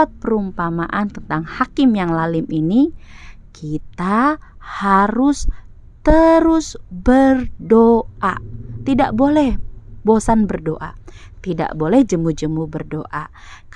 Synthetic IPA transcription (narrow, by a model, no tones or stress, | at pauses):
at̪̚pəɾumpamaʔant̪ənt̪aŋhakɪmjaŋlalɪmini | kʰit̪ahaɾʊs | t̪əɾʊsbərdoʔat̪ida̰ʔbolɛhbosanbərdo̰ʔa̰t̪ida̰ʔbolɛhd͡ʒəmud͡ʒəmubərdoʔa | k